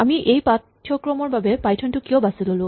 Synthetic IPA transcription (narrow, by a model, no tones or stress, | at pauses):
amiʔejpatʰːiɔkɹɔmɔɹbabɛpajtʰɔntʊkiɔbasilolʊ̃